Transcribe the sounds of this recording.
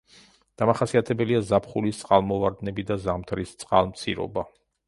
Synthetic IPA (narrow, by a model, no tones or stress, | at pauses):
d̪̥amaχasiat̪ʰɛbɛliazapʰχulist̪sʼqʼalˠmɔvaɾd̪nɛbid̪azamt̪ʰɾist̪sʼqʼa̰lˠmt̪sʰiɾɔ̰ba